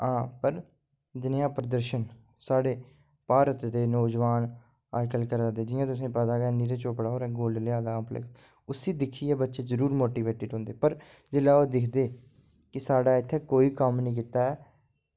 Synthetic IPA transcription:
ɦãːpəɾ | d̪ɪnjãːpɾəd̪əɾʃən | saːɽeː | paːɾət̪t̪eːnoːd͡ʒʋaːn | aːjkəlkəɾaːd̪eːd͡ʒɪãːt̪ʊsẽːpət̪aːɡɛniːɾeːt͡ʃoːpɽaːɦoːɾɛːɡoːllɪaːd̪aːplə̰k | ʊsiːd̪ɪkʰːiːɛːbətːʃeːzəɾuːɾmoːʈiːʋeːʈɪɖɦõːnd̪eːpəɾ | zɪlaːoːd̪ɪkʰd̪eː | kɪsaːɖaːɪt̪ʰːeːkoːiːkəmnəĩːk̬iːt̪aːɛː

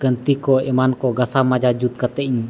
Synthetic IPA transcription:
kənt̪ikoemankoɡasamad͡ʒad͡ʒut̪̚kat̪eiɲ

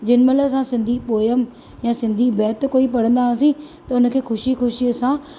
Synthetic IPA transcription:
d͡ʑɪnmɐlasãsɪ̃nd̪ʱipoːjəm | jãsɪ̃nd̪ʱibɛːt̪koːipɐɽə̃nd̪asĩt̪ɐʊnə̆kʰeːxʊʃixʊʃisã

